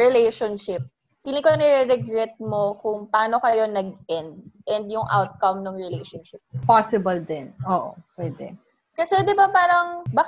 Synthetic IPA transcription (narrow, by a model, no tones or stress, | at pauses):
ɹɛlɛjʃonʃɪp̚ | kilɪŋkonɛɾɛɾɛɡɾɛt̪̚mo̞kʊŋpɐaːno̞kɐjo̞nɐɡ̚ʔɛnd̪̚ʔɛnd̪jʊŋʔa̰wt̪̚kɐmnoŋɹɛlɛjʃonʃɪp̚pasɪbɐld̪ɛnʔoːʔopwɛd̪ɛ̰ | kɐsɛd̪ɪbapaːɾɐŋbak